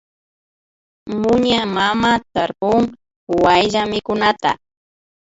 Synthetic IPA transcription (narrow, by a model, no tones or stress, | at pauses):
mʊɲamamat̪aɾpʊŋ | wajʎamɪkʊnat̪a̰